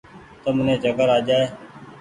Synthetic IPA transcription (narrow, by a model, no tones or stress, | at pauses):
t̪əmənẽːd͡ʒəkəɾaːd͡ʒaːeː